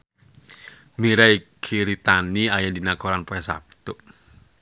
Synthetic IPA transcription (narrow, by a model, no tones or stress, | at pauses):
miɾaikʰiɾit̪aniajadinakɔɾanpɔɛsa̰p̚t̪u